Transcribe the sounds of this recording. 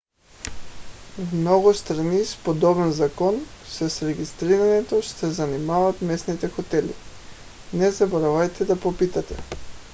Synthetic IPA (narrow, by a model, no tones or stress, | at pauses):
vmnɔɡust̪ɾanispod̪ɔbɛnzakɔnsɛsɾɛɡist̪ɾiɾaɲɛt̪ɔʃt̪ɛzanimavat̪mɛsnit̪ɛxɔt̪ɛlḭ | nɛzabɔɾavajt̪ɛd̪apopit̪at̪ɛ̰